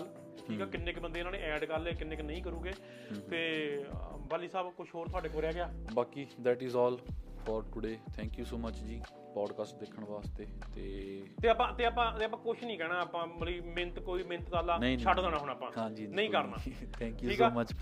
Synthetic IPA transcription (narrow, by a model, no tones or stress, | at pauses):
l | ʈʰiːkɛːkɪnːɪkbənd̪eːnãːnḛ̃ːʔɛːɖkəleːkɪnːɪknəĩːkəɾũːɡeː | t̪eː | baːliːsaːbkʊʃʰɦoːɾt̪ʰʊaːɖeːkoːɾejaːɡɪaːbaːkiːd̪ɛːʈɪːzɔːlfɔːɾʈʊɖeːt̪ʰɛ̃ːŋkjuːsoːmət͡ʃd͡ʒiː | pɔːɖkaːsʈ̚d̪eːkʰːəɳʋaːst̪eːt̪eːt̪eːaːpãːt̪eːaːpãːt̪eːap̬ãːkʊʃʰnəĩːkɛːɽaːəːpãːməliːmɪnt̪koːiːmɪ̃nət̪d̪aːlaːnĩːʃʰəʈd̪aːnãːɦʊñaːpãːɦãːd͡ʒiːnə̃ĩːkəɾna̰ːt̪ʰɛ̃ːkjuːiːkɛːmət͡ʃ